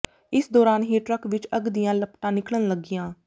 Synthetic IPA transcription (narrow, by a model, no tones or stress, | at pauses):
ɪsd̪ɔːɾaːnɦiːʈɾəkʋɪt͡ʃəɡd̪ijãːləpʈãːnɪkɽənləɡɪjãː